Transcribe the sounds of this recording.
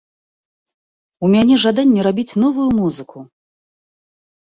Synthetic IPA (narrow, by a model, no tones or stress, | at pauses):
umʲanʲɛʐad̪anʲːɛɾabʲit͡sʲnɔvujumuzɨkʰu